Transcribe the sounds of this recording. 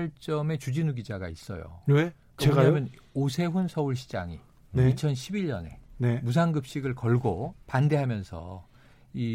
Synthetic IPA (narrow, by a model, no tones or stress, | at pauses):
ɭt͡ɕ͈ʌme̞t͡ɕud͡ʑinuɡid͡ʑaɡais͈ʌ̰jo̰e | keamjʌn | osʰe̞ɸunsʰʌuɭɕʰi̥d͡ʑa̰ŋi | neit͡ɕʰʌnɕʰibiʎːʌ̰ne̞nemusʰaŋɡɯp̚ɕ͈iɡɯɭkʌɭɡopande̞ɦamjʌnsʰʌ̰ | i